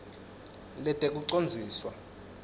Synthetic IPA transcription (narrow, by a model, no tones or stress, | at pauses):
lɛtʼɛk̬ʼuǀond͡zʱiːswa